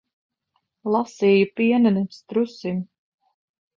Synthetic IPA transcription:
lˠasiːjupiɛnɛnɛst̪ɾusim

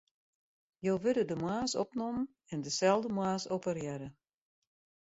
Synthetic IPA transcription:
joːʋɪdədəmwaːsɔ̰pnom | ɛndəsɛlˠdəmwaːsopərjɛɾə

